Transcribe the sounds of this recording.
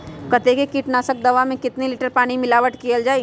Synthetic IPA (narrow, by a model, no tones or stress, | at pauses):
kɐt̪ekekiːʈnaːsək̚d̪ɐʋamẽkɪt̪nelɪʈəɾpaːɽ̃imɪlaːʋəʈkijəld͡ʒaːi